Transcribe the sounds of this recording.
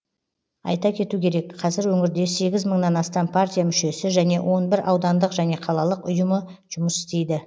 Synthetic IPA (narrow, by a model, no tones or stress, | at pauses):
ɑ̰jt̪ɑkʲʰe̞t̪ukʲʰe̞ɾe̞kqʰɑzɪɾwɵŋʲɪɾd̪e̞se̞ɡʲɪzməɴnɑnɑst̪ɑmpʰart̪ʲijamʏʃe̞sɪʒæne̞wʔo̞nbɪɾɑwd̪ɑnd̪əqʒæne̞qʰɑlˠɑlˠəqʊjəmə | ʒ̥ʊməsɪ̥st̪e̞jd̪ɪ